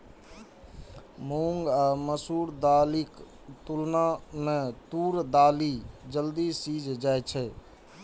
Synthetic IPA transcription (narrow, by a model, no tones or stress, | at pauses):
muŋɡaməsuːɾd̪aːlik | t̪ulnamẽt̪uːɾd̪aːlid͡ʒəld̪isiːd͡ʒʱd͡ʒaːɛt͡ʃʰɛ